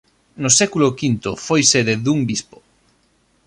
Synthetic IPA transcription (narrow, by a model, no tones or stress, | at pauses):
nʊsɛkulʊkint̪ofojseðeðuŋbispo̥